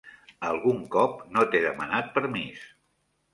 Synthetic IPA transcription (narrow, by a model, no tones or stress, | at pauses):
əlˠɣuŋkɔp̚not̪eðəmənat̪̚pəɾmis